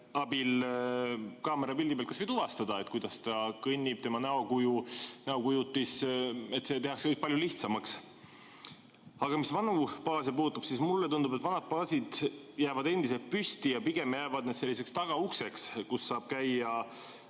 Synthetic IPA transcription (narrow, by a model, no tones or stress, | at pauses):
ɑbil | kɑːmeɾɑpild̪ibelt̪kɑsvɤjd̪uvɑst̪ɑd̪ɑe̞t̪ˑkujd̪̥ɑst̪ɑkɤnʲːib̥̚t̪e̞mɑnɑo̞kujunɑokujut̪ːise̞t̪ːse̞t̪e̞hɑkse̥kɤjk̚pɑljuliht̪sɑmɑks | ɑɡ̥ɑmisvɑnupɑːsepuːt̪ːˑupsismulːe̞t̪und̪ubet̪vɑnɑd̪̥̚pɑːsid̪̥ | jæːvɑd̪e̞nd̪̥ise̞lt̪̚pysʲt̪ijɑpiɡ̥e̞mjæːvɑd̪̚ned̪se̞lːise̞kst̪ɑɡ̥ɑukse̞kskusːɑːb̥kæjɑ